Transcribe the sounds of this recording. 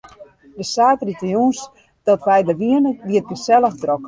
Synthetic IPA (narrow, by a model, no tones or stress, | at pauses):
dəsaːtritəjuns | d̥ɔtʋɛjdəʋiənəʋiət̚bəsɛlˠəxdrɔk